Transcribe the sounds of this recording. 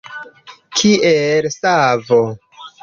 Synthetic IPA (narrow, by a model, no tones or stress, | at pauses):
kʰiʔelsavo